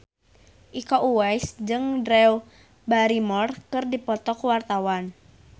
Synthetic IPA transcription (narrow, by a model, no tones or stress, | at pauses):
ʔikɔʔuwɛjsd͡ʒɨŋdɾɛw | baɾimɔrkɨrdipɔt̪ɔkuwart̪awan